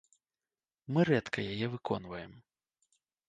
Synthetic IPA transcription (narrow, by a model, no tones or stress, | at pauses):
mɨɾɛt̪kʰɐjajɛvɨkʰɔn̪vɐjɛm